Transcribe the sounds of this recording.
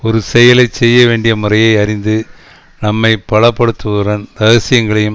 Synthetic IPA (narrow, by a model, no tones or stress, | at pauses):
ɔɾɯsɛjɐlɐɪt͡ʃsɛjːɐʋeːɳɖɪjɐmʊrɐjɐɪɐɾɪnd̪ɯ | nɐmːɐɪpːɐɭɐpːɐɽɯt̪ːɯʋɾɐnt̪ɐɣɐsɪjɐŋɡɐɭɐjɯm